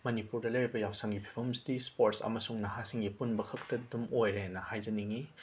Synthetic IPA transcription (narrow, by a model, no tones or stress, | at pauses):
mɐnipuɾdɐlɐjɾibɐjawsaŋɡipʰi̥bɐmsidispoɾtsɐ̰mɐsuŋnɐhasiŋɡipunbɐkʰɐk̚tɐdumojɾenɐhajzɐniŋi